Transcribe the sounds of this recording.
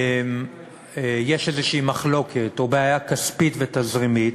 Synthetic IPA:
m | jeʃezeʃiimaχlo̞kʰet̪o̞beajakaspit̪vet̪azʁimit̪

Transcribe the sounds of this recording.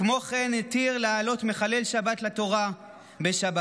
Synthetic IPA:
mo̞χe̞net̪iʁlaːlo̞t̪me̞χale̞lʃabat̪lat̪o̞ʁa | beʃaba

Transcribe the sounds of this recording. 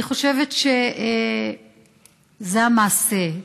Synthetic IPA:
iχo̞ʃe̞vetʃe | zeamaːse

